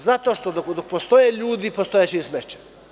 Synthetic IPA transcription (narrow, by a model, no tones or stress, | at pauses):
zat̪oʃt̪od̪okd̪ok̚post̪ojeʎuːd̪ipost̪ojet͡ʃeismet͡ʃe̥